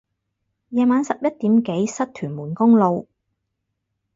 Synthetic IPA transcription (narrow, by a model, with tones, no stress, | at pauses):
jɛː˨˧maː˨˧nsɐ˨p̚jɐ˥t̚t̪iː˨˥mke˨˥jsɐ˥t̚t̪ʰyː˨˩nmuː˨˩nkʊ˥ŋlo˨w